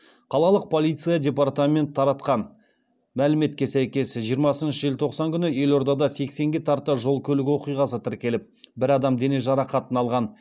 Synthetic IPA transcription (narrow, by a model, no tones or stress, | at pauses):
qʰɑlˠɑlˠəq̚pʰo̞lˠijt̪sɨjadʲe̞pɑrt̪amʲe̞nt̪ʰːɑɾɑt̪qɑn | mælɪme̞t̪̚kʲe̞sæjkʲe̞sʒijəɾmɑsənʃəʒelt̪ʰo̞qsɑŋkʲʰʏnɪje̞lo̞ɾd̪ɑd̪ɑse̞kse̞ŋɡʲe̞t̪ʰɑɾt̪əʒo̞lˠkʲʰɵlɪɡʲwo̞qijʁɑs̬ət̪ʰɪɾkʲe̞lɪp̚bɪɾɑd̪ɑmd̪e̞ne̞ʒɑɾɑqɑt̪ənɑlˠʁɑn